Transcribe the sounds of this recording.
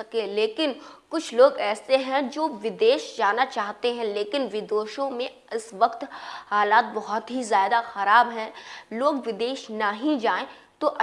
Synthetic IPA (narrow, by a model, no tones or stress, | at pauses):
ɐkẽleːkɪnkʊt͡ʃʰloːɡɛːseɦɛ̃d͡ʒoːʋɪd̪eːʃd͡ʒaːnat͡ʃaːɦt̪eɦɛ̃leːkɪnʋɪd̪oːʃõmẽ | ɪsʋɐqt̪haːlaːt̪̚bɐɦɔt̪ɦizjaːd̪axɐɾaːbɦɛ̃loːɡʋɪd̪eːʃnaɦĩd͡ʒaːẽ | t̪oʔɐ